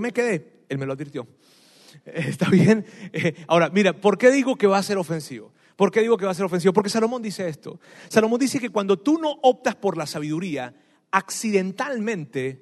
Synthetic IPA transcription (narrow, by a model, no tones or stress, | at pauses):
me̞ke̞ðe̞ | elme̞loaðβiɾt̪jo̞ | st̪aβje̞naoɾamiɾapo̞ɾke̞ðiɣo̞ke̞βase̞ɾo̞fe̞nsiβo̰ | po̞ɾke̞ðiɣo̞keas̬eɾo̞fensiβopoɾk̬e̞salo̞mo̞nd̪ise̞est̪o̞̰ | saloond̪ise̞ke̞kwand̪o̞t̪uno̞ʔop̚t̪aspo̞ɾlasaβ̞iðuɾia | aksiðe̞nt̪almẽ̞nt̪e̞